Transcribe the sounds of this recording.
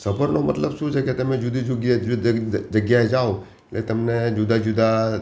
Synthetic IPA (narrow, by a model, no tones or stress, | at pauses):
səpəɾnomɐt̪ləbʃũt͡ʃʰeket̪ɐmẽd͡ʒʊd̪id͡ʒʊɡj | d͡ʒəɡjaɦed͡ʒao | ɪlet̪əmned͡ʒʊd̪ʱad͡ʒʊd̪ʱa